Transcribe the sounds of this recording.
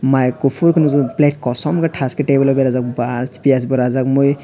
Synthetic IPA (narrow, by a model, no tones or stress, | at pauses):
majkupʰuɾkʰɯnuzɯplɛʈ̚kɔsɔmkaʈʰaskeʈejbɔlɔbɛɾazak̚basi̥piasbɔɾazakmoj